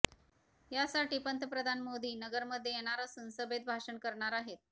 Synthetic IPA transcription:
jasaʈiːpənt̪əpɾəd̪ʱanmod̪iːnəɡəɾməd̪ʱːjejeɽ̃aɾasunsəbʱed̪̚bʱaʂəɳkəɾɳaɾaɦet̪̚

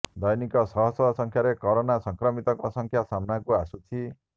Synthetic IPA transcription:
d̪ʌjnikʌsʌɦʌsʌsʌŋkʰjaɾekɔɾonasʌŋkɾʌmit̪ʌkɔsʌŋkʰjasamnakuasut͡sʰi

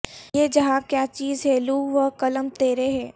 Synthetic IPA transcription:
jed͡ʒɐɦaːkjaːt͡ʃiːzɦɛluːʋəkɐləmt̪eːɾeɦɛː

